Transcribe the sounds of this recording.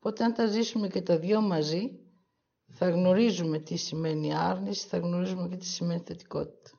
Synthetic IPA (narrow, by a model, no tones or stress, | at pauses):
po̞t̪eɐnt̪ɐzisume̞ce̞t̪ɐðʝo̞mɐzi | θɐɣno̞ɾizume̞t̪isime̞niɐɾnisi̥θɐɣno̞ɾizume̞ce̞t̪i̥sime̞niθe̞t̪i̥ko̞̰t̪i̥t̪ɐ̥